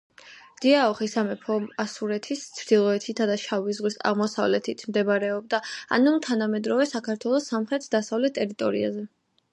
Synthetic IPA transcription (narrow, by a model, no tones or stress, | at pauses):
d̪̥iaɔχisamɛpʰɔmasuɾɛt̪ʰist̪sʰɾd̪ilˠɔɛt̪ʰit̪ʰad̪aʃavizʁwisa̰ʁmɔsa̰vlɛt̪ʰit̪ʰmd̪ɛbaɾɛɔb̚d̪aa̰numt̪ʰanamɛd̪ɾɔvɛsakʰaɾt̪ʰwɛlˠɔsːamχɾɛt̪ʰd̪asavlɛt̪ʰːʼɛɾit̪ʼɔɾḭa̰zɛ